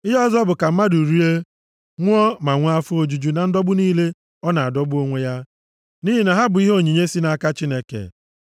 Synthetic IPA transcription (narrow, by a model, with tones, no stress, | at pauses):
i˦ɦɔ˦zɔ˦bʊ˨ka˨m̩˦ma˦du˨ɾi˦e˦ | ŋʷʊ˦ɔ˦ma˨ŋʷ˦a˦fʊ˦o˨d͡ʒu˨d͡ʒu˨na˨n̩˦dɔ˦bʊ˦niː˦le˦ | ɔ˦na˨a˨dɔ˦bʊ˦o˦ŋʷe˦ja˦ | ni˦ɦi˨na˨ɦa˦bʊ˨i˦ɦo˦˨ɲi˨ɲe˦si˦na˨a˨ka˦t͡ʃi˦ne˦kḛ˨